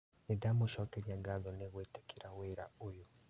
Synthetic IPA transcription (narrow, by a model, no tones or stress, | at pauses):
nidamuʃɔkeɾjaɡaðɔneɣwete̥kʰiɾaweɾa̰ujo